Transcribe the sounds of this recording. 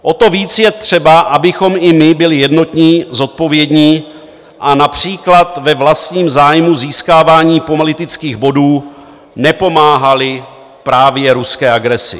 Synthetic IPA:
ʔo̞t̪o̞viːt͡sjɛt̪r̝̥ɛbaʔabɪxo̞mɪmɪbɪlɪjɛdno̞t̪ɲiːzo̞t̪̚po̞vjɛdɲiː | ʔanapr̝̥iːklat̪vɛvlast̪ɲiːmzaːjmuziːskaːvaːɲiːpomalɪt̪ɪt͡skiːɣbo̞duː | nɛpo̞maːɦalɪ | pɾaːvjɛɾuskɛːʔaɡɾɛsɪ̰

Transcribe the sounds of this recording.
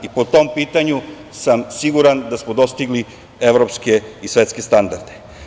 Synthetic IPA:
ipot̪o̞mpiːt̪aɲu | samsiɡuɾand̪asmod̪o̞st̪iɡli | eʋɾo̞pske̞isʋet̪ske̞st̪and̪aɾd̪e̞

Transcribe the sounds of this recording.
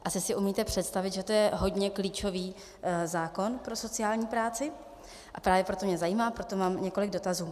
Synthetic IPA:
ʔasɪsɪʔumiːt̪ɛpr̥ɛt̪st̪avɪt̪ʒɛt̪o̞jɛɦo̞dɲɛkliːt͡ʃo̞viː | zaːko̞npɾo̞so̞tt͡sɪaːlɲiːpɾaːt͡sɪ | ʔapɾaːvjɛpɾot̪o̞mɲɛzajiːmaːpɾo̞t̪o̞maːmɲɛko̞lɪɡ̚do̞t̪azuː

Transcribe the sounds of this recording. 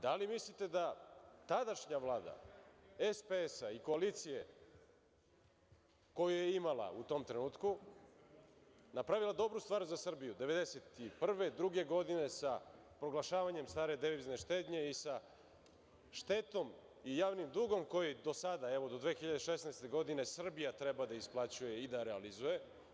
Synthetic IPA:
d̪alimislit̪e̞d̪at̪ad̪aʃɲaʋlˠaːd̪a̰espeesaiko̞alit̪sije̞̰ | ko̞jujeimala̰ut̪o̞mt̪ɾenuːt̪ku | napɾaʋilˠad̪o̞bɾust̪ʋaːɾzasr̩bijud̪e̞ʋe̞d̪eset̪ipr̩ʋe̞d̪ɾuɡe̞ɡo̞d̪ine̞sa | pɾo̞ɡlˠaʃaːʋaɲe̞mst̪aːɾe̞d̪eizne̞ʃt̪eːd̪ɲe̞isa | ʃt̪e̞t̪o̞m | ijaːʋnimd̪uːɡo̞mko̞jid̪o̞sad̪aɛʋo̞d̪o̞d̪ʋeːxiʎad̪eʃesnajst̪e̞ɡo̞d̪ine̞sr̩bijat̪ɾebad̪aisplˠat͡ɕuje̞id̪aɾealizuje̞

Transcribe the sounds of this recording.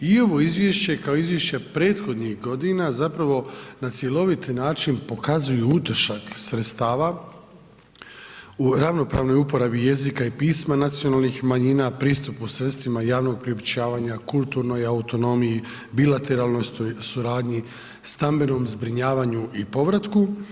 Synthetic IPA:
io̞ʋo̞izʋʲjeʃt͡ɕe̞kaoizʋjeʃt͡ɕepɾeːt̪xo̞d̪nixɡo̞d̪inazapɾaʋo̞nat̪sje̞lo̞ʋit̪naːt͡ʃinpo̞kazujuut̪r̩ʃaksɾet̪st̪aːʋa | uɾaʋno̞pɾaːʋno̞jupo̞ɾabije̞zikaipiːsmanat̪sionaːlˠnixmaɲiːnapɾiːst̪upusɾet̪st̪ʋimajaːʋno̞ɡ̚pɾiopt͡ɕaːʋaɲakulˠt̪uɾno̞jaut̪o̞no̞miji | bilat̪e̞ɾaːlˠno̞jst̪ojsuɾaːd̪ɲi | st̪ambe̞no̞mzbɾiɲaːʋaɲuʔipo̞ʋɾat̪ku

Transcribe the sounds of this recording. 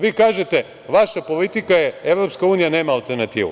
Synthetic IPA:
ʋiːkaːʒet̪e̞ | ʋaʃapo̞lit̪ikajeeʋɾopskauːnijane̞ːmaːlˠt̪eɾnat̪ḭːʋṵ

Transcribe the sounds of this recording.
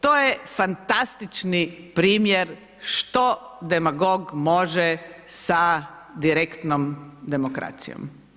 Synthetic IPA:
t̪oːjefant̪ast̪it͡ʃnipɾiːmjeɾ | ʃt̪od̪emaɡoɡmo̞ʒɛsa | d̪iɾekt̪nomd̪e̞mokɾa̰t̪sḭjo̰m

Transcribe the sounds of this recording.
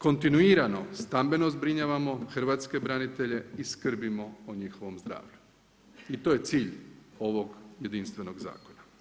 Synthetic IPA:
ko̞nt̪inuiːɾano̞st̪ambe̞no̞zbɾiɲaːʋamo̞xr̩ʋaːt̪ske̞bɾanit̪e̞ʎe̞iskr̩bimo̞oɲixo̞ʋo̞mzd̪ɾa̰ːʋʎu | it̪oje̞t̪siːʎo̞ʋo̞ɡje̞d̪inst̪ʋe̞no̞ɡza̰ːko̞na

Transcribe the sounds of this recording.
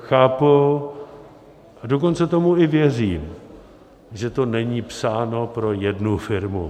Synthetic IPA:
xaːpu | ʔadok̬o̞nt͡sɛt̪o̞muɪvjɛriːm | ʒɛt̪o̞nɛɲiːpsaːno̞pɾo̞jɛdnufɪɾmu

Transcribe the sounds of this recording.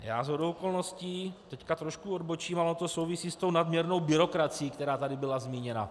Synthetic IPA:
ja̰ːzɦodowko̞lno̞sciːt̪ɛckat̪ɾoʃkuodbot͡ʃiːmalɛot̪osowvisiːst̪o̞wnadmɲɛɾno̞wbɪɾo̞kɾat͡sijiːkt̪ɛɾaːt̪adɪbɪlazmiːɲɛna̰

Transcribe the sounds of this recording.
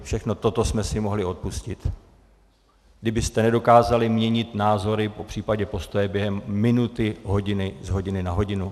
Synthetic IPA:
fʃɛxno̞t̪o̞t̪o̞smɛsɪmo̞ɦlɪo̞t̪̚puscɪt̪ | ɡdɪbɪst̪ɛnɛdo̞kaːzalɪmɲɛɲɪt̪naːzo̞ɾɪpo̞pr̝̥iːpaɟɛpo̞st̪o̞jɛbjɛɦɛmːɪnut̪ɪɦo̞ɟɪnɪzɦo̞ɟɪnɪnaɦo̞ɟɪnu

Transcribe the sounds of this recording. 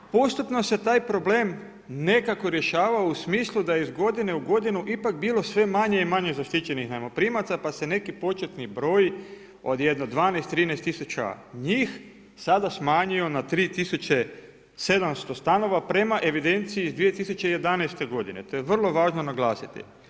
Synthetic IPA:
po̞st̪upno̞se̞t̪aːjpɾo̞ble̞ːm | ne̞kako̞ɾje̞ʃaːʋausmiːslˠud̪ajeizɡo̞d̪ine̞uɡo̞d̪inuʔipak̚biːlo̞sʋe̞maɲe̞imaɲe̞zaʃt̪it͡ɕe̞nixnajimo̞pɾiːmat̪sapase̞ne̞kipo̞t͡ʃet̪nibɾo̞j | o̞̰d̪je̞d̪nod̪ʋaːneːst̪ːɾiːnest̪ːisut͡ɕa̰ɲiːx | sad̪asmaːɲio̞nat̪ɾiːt̪isut͡ɕe | se̞d̪amst̪o̞st̪ano̞ʋapɾe̞maʔe̞ʋid̪e̞nt̪siːzd̪ʋije̞t̪isut͡ɕeijed̪anest̪e̞ɡo̞d̪ḭnet̪o̞jeʋr̩lˠo̞ʋaːʒnonaɡlˠaːsit̪ḭ

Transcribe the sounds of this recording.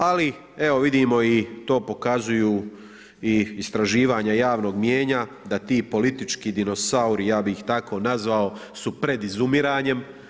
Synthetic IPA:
ali | e̞ʋo̞ʋid̪imo̞it̪o̞ːpo̞kazujuː | iːst̪ɾaʒiːʋaːɲajaːʋno̞ːɡmjeːɲa | d̪at̪iːpo̞lit̪it͡ʃkiːd̪ino̞sauɾijaːbixt̪ako̞ːnazʋao̞supɾe̞d̪izumiɾaːɲe̞m

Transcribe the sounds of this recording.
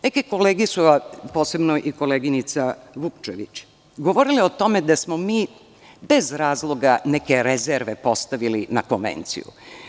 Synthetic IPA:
nekeko̞leːɡisuapo̞ːse̞bnoʔiko̞leɡinit̪saʋukt͡ʃḛʋḭt͡ɕ | ɡoʋoɾiliot̪o̞me̞d̪asmomiː | be̞zɾaːzlˠo̞ɡanekeɾezeɾʋepo̞st̪aʋilinako̞nʋḛnt̪sḭjṵ

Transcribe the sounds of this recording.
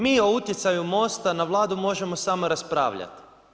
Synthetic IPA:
miːo̞ut̪jet̪sajumo̞st̪anaʋlˠaːd̪umo̞ʒe̞mo̞samo̞ɾaspɾa̰ːʋʎa̰t̪i̥

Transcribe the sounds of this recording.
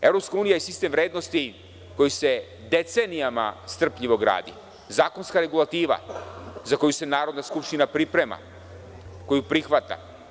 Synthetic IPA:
e̞vɾo̞pskauːnijajesist̪e̞mvɾeːd̪no̞st̪i | ko̞jise̞ | d̪e̞t̪se̞nijama̰st̪r̩pʎiʋo̞ɡɾa̰ːd̪ḭ | zaːko̞nskaɾe̞ɡulˠat̪iːʋa̰zako̞juse̞naːɾo̞d̪naskupʃt̪inapɾipɾe̞ma̰ | ko̞jupɾixʋat̪a̰

